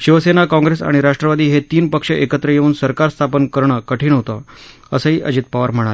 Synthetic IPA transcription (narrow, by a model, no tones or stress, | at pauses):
ɕiʋəsenakɔ̃ŋɡɾesa̰ɽ̃iɾaʂʈɾəʋad̪iːɦet̪iːnpəkʂəʔekət̪ɾəjeʋuːnsəɾkaɾst̪ʰapənkəɾɳ̃əkəʈʰiːnɦot̪ə | əsəɦiːʔəd͡ʑit̪̚paʋəɾm̤əɽ̃al